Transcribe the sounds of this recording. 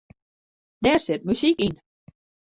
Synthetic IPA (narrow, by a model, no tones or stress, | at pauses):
d̥ɛrsɪt̚mysikin